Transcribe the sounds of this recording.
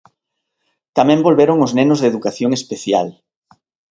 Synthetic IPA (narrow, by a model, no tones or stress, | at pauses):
t̪amɛ̃mbolβeɾʊŋʊznenʊzðeðukaθjoŋespeθja̰l